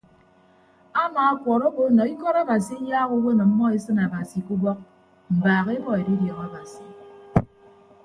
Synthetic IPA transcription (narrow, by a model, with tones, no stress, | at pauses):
a˦maː˨a˦kʷɔ˨ɾo˦bo˦nɔ˨i˦kɔ˦ɾa˦ba˨si˦i˦jaː˦ɣu˦we˦nɔ˨m̩˦mːɔ˦e˦sɨ˦na˨ba˨si˨ku˦bɔ˦k̚ | m̩˨baː˨ɣe˦bɔ˦e˨di˦djɔ˨ɣa˦ba˨si˨